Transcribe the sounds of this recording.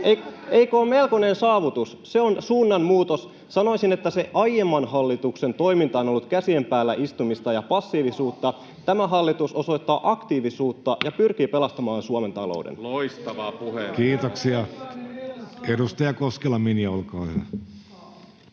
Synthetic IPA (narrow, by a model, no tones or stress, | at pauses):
eeikoːmmelkonensɑːʋut̪us | se̞onsuːnːɑnmuːt̪os | sɑno̞isinet̪ːæse̞ʔɑjjemːɑnɦɑlːit̪ukse̞nt̪o̞jmint̪ɑo̞nolːut̪kæsiempæːlːæʔist̪umist̪ɑjɑpɑsːiːʋisuːt̪ːɑ | t̪æmæɦɑlːit̪uso̞so̞jt̪ːɑːʔɑkt̪iːʋisuːt̪ːɑjɑpyrk̟iːpe̞lɑst̪ɑmɑːnsuɑme̞nt̪ɑlo̰udḛnloist̪ɑʋɑːpuhekiːt̪oksiɑ | edust̪ɑjɑkoskelːɑminiolkɑːhyʋæ